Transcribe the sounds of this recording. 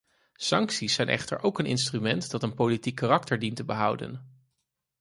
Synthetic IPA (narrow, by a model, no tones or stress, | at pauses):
sɑŋksisːɛjnʔɛ̰χtə̰ɹʔowkənɪ̰nstrymɛntdɑtənpowlitikːarɑktəɹdintəbəɦʌwdə̰n